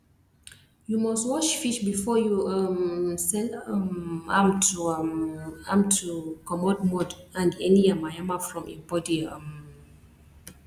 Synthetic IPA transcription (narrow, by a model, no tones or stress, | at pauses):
jumɔstwɔʃfiʃbifɔjuamsɛlmãmtu | ãmtʰukɔmɔdmɔdãndɛniamajamafɹɔ̃mḭ̃bɔdiam